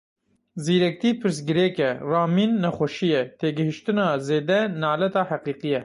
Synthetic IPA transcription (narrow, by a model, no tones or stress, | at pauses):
ziːɾɛk̚t̪iːpʰɨɾs̬ɡɨɾekɛrɑːmiːnːɛxʷɛʃijɛt̪eːɡɨhɨʃt̪ɨnɑːzeːd̪ɛnɑːlɛt̪ɑːhɛqiːqijɛ